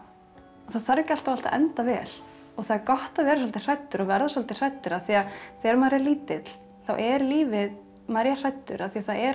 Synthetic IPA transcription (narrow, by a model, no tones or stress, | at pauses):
ɔθaðθaɾcal̥t̪awal̥t̪a̰ʔɛ̰nt̪avɛːl | ɔɣθaðɾkɔht̪avɛːɾɪs̬ɔlt̪ɪr̥ajt̪ːʏɾɔɣvɛɾðasɔlt̪ɪr̥ajt̪ːʏɾaðθiːaθɛːɾmaɾjɛliːt̪ɪt̪l̥ | θa̰wʔɛɾliːvɪð | maɾjar̥ajt̪ːʏ̰ɾʔaðθiːaθaɛɾ